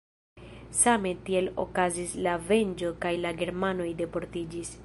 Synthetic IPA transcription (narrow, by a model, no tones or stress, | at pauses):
same̞tie̞lo̞̰kazislave̞nd͡ʒo̞kajlaɡe̞ɾmano̞jde̞po̞ɾtid͡ʒis